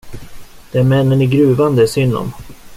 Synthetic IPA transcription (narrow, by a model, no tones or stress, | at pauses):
d̪̥ɛæɾmɛnːənæɡɾʉ̟ːvand̪əsʏnːɔ̰m